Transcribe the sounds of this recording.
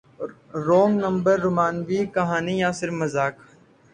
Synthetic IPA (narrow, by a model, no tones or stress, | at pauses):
ɾoːŋnəmbəɾːʊmaːnʋiːkɐɦaːniːjãːsɪɾfməzaːk